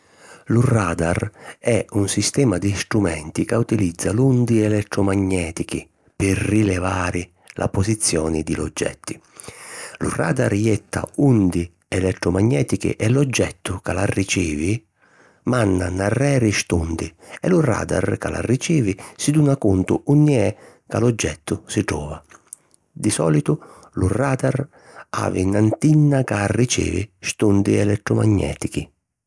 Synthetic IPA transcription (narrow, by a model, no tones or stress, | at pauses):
luraːd̪arɛunsist̪ɛːmad̪ist̪ɾumɛnt̪ikaut̪ilid̪zːalund̪iɛlɛt̪ːɾɔmaɲːɛːt̪ikḭ | pɪrːilɛvaːɾɪ | lʔa̰posit̪sːjɔːnid̪ilɔ̰d͡ʒːɛ̰t̪ːi | lṵra̰ːd̪aɾjɛt̪ʰːa̰und̪i | ɛlɛt̪ːɾʊmaɲːɛːt̪ikḭʔɛlɔd͡ʒːɛt̪ːʊkalarːit͡ʃiːvi | manːanarːɛːɾɪʃt̪und̪ɪɛ̰lura̰ːd̪a̰ɾkala̰rːit͡ʃiːvɪsid̪uːnakunt̪ʊunːiɛ | kalɔd͡ʒːɛt̪ʰːʊsiʈ̪ɾɔːva | d̪isɔ̰ːlit̪ʊ | lʊraːd̪ar | a̰ːvinant̪inːakarːit͡ʃḭːvɪ̰ʃt̪und̪ɪɛlɛt̪ːɾɔmaɲːɛ̰ːt̪ikɪ